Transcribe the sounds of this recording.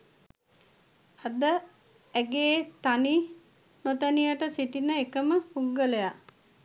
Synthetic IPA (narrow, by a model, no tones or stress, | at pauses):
ad̪ə | æɡeːt̪ani | not̪ənijəʈəsiʈinəekəməpuɡːələja